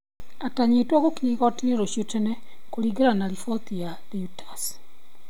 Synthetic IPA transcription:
ataɲetwɔɣokiiɣɔtiɾeɾoʃjotɛnɛ | koɾiɡeɾanaɾifɔt̪ija | ðeutʰḁs

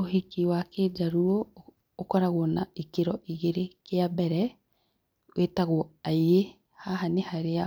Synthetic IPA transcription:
ohikiwaked͡ʒaɾuɔ | okɔɾaɣonaikeɾɔʔiɣeɾekeabɛɾɛ | wʔetaɣoaiɾe | haɦanehaɾea

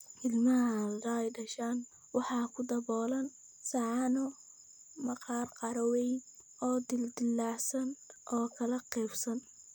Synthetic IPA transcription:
ʔɪlmɐɦld̪ɐɛjɖɐʃaːn | wɑħɑːkʰʊd̪ɐβɔːlɐn | sɑʕɑnɔ | mɐqɑːrqɑɾɐwɛjn | ʔɔːd̪ɪld̪ɪlːɑʕsɐnʔɔːkʰɐlɐqɛːfsɐn

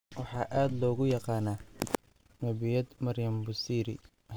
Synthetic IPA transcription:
wɑħɑːʔaːd̪lɔːɣʊjɑqɑːnaː | mɐβɪjɐd̪mɐrjɐmbʊsiːɾɪ̰

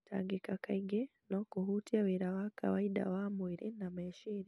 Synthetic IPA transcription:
tʰa̰ːŋɡikakaiɡe | nokuɦutiawiɾawaka̰waida̰wamwiɾinameʃiːɾi

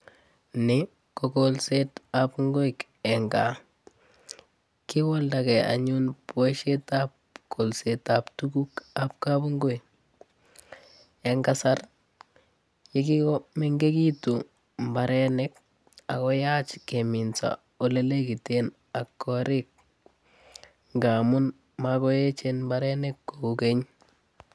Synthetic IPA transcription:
nɪ | kɔkolsetapŋɡoik | ɛŋɡa | kɪwɔldakɛa̰ɲunpweʃetap̚ | kolsetaptukukap̚kabʊŋɡoi | ɛŋɡasar | jekikɔmɛŋɡekitu | mbaɾɛnɛk | akɔjat͡ʃkemɪnsa̰ | olelekiten | akːɔɾɪk̚ | ŋɡamʊn | makɔjet͡ʃenmbaɾɛnɛkːoukeɲ

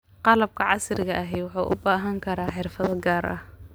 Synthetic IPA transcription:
qɑlɐb̚kʰɐʕɑsrɪɣɐʔɐɦɛjwʊħuːʔʊ̰baːɦɐŋkʰɐɾaːħɪrfɐðɐɡaːɾʔɐ̰h

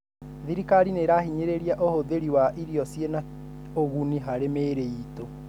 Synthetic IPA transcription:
ðiɾikaɾineɾahiɲeɾeɾiaʔohoðeɾiwaʔiɾiɔsjena | oɣuniɦaɾemeːɾeito

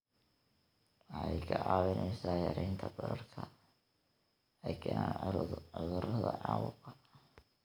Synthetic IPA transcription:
wɑħɑjkʰɐʕɑːwɪnʔɛjsaːjɐɾɛːnt̪ʰɐbɐɾɐrkʰɐ | ɛjkʰɛːna̰ːnʕʊðʊɾɐðɐʕɑːwʊqɑ

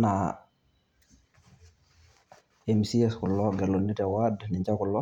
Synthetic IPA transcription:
na | ɛmsiɛskʊlːɔɡɛlːonːitɛwadnɪɲd͡ʒakʊlːɔ

